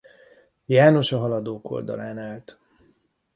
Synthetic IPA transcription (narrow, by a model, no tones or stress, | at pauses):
jaːno̞ʃɒɦɒlɒd̪oːko̞̰ld̪ɒ̰laːnaːlt̪